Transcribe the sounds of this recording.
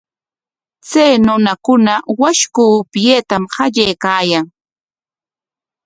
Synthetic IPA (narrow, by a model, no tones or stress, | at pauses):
t͡sajnʊnakʊnawaʃkupjeːt̪amhɑʎajkaːjaŋ